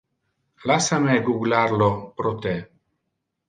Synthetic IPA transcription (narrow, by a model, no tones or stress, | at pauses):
lasameɡuɡlaɾlopɾot̪e